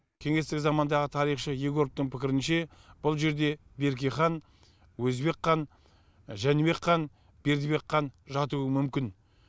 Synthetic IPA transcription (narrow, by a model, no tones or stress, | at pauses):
kʲʰe̞ŋe̞st̪ɪkzɑmɑnd̪ɑʁət̪ʰɑɾijχʃəjeɡʲoɾp̚t̪əɴpʰɪkʲɪɾɪnʃe̞b̥ʊlˠʒe̞ɾd̪e̞be̞ɾɡ̬ʲeχɑn | wɵzbe̞qʰːɑn | ʒænebe̞qːɑn | b̥e̞ɾd̪ɪbe̞qʰːɑnʒɑt̪uwəmʏmkʲɪn